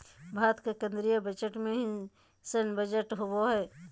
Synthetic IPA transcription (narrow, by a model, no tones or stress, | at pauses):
bʱaːt̪kekə̃nd̪ɾijəbət͡ʃəʈmẽɦi | sənbəd͡ʒəʈɦowoɦɛː